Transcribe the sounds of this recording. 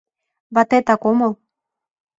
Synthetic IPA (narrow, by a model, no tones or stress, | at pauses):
βɑt̪et̪ɑkomɤ̆lˠ